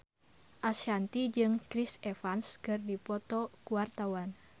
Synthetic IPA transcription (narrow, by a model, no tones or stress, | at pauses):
ʔasant̪id͡ʒɨŋkɾisɛfanskɨrdipɔt̪ɔkuwart̪awan